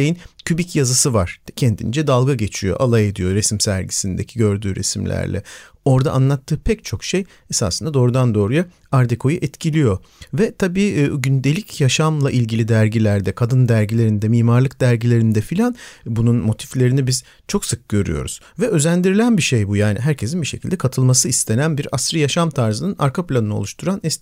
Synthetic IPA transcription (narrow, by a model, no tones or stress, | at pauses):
ejincʰybicjazɯsɯvaɾ̥cʰɛnd̪ʰḭnd͡ʒɛd̪alˠɡaɟe̞t͡ʃʰijo̞̰ʔalˠaje̞d̪ijo̞ɾesimsæɾɟisind̪ecʰiɟø̞ɾd̪yːɾḛsimlʲæ̰ɾlʲɛ̰ | o̞ɾd̪a̰ʔanlˠat̪ʰːɯːpʰɛct͡ʃʰo̞kʃej | esa̰sɯnd̪ad̪o̞ːɾud̪and̪o̞ːɾuja | aɾd̪ekʰo̞juʔɛt̪cʰilʲijo̞ | vɛt̪ʰabiːɟynd̪e̞lʲicʰjaʃamlˠaʔilʲɟilʲid̪æɾɟilʲæɾd̪ɛkʰad̪ɯnd̪æɾɟilʲe̞ɾind̪ɛmiːmaɾlˠɯk̚d̪̥æɾɟilʲe̞ɾind̪ɛfilʲanbununmo̞t̪ʰi̥flʲe̞ɾinibiz | t͡ʃʰo̞ksɯk̚ɟ̥ø̞ɾy̰jo̞̰ɾṵz̥ | vɛʔø̞zænd̪iɾilʲænbiʃe̞jbujaːniɦæɾcʰe̞s̬inbiʃecʰilʲd̪ɛkʰat̪ʰɯlˠmasɯist̪ʰe̞nænbiɾasɾɯjaʃamt̪ʰaɾzɯnɯnʔa̰ɾkʰaplʲanɯnɯo̞̰uʃt̪ʰuɾanɛs